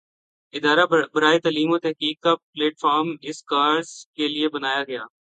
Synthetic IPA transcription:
ɪd̪aːɾabɐɾaːet̪aːliːmot̪ɛɦkiːk̚kapleːʈfaːɾmɪskaːɾzkeliebɐnaːjaɡɐjaː

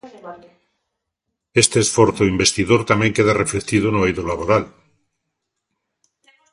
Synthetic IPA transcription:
est̪eːsfoɾθoimbe̞st̪iðoɾt̪amjeŋkeðareflet̪iðonoejðolaβoɾal

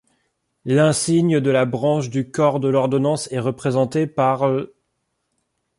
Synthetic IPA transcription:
lɛ̃siɲəd̪əlabʁɑ̃ʃd̪ykɔʁd̪əlɔʁd̪ɔnɑ̃sɛʁəpχezɑ̃t̪epaʁ

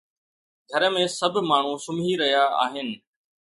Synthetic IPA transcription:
ɡʱəɾəmẽsəbʱmaːɳ̤ũsʊmʱiɾɐɦjaa̰ːɦɪnɪ̆

